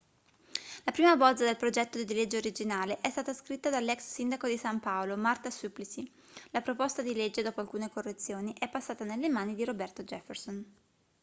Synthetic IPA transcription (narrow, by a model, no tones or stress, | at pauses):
lapɾiːmabɔlzad̪elpɾod͡ʒɛt̪ːod̪d̪iled͡ʒːeoɾid͡ʒinaːleʔɛst̪aːt̪askɾit̪ːad̪alːɛksːind̪akod̪isampaolomart̪asuplisi | lapɾopost̪ad̪iled͡ʒːed̪ɔːpoalkuːnekorːet̪sːjoːniʔɛpːasːaːt̪anelːemaːnid̪iɾobɛrt̪od͡ʒɛfːerson